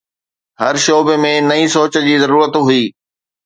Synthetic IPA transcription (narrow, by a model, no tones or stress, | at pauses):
ɦɐɾʃoːbemẽnɐĩsoːt͡ɕə̆d͡ʑiːzɐɾuːɾət̪ɦʊiː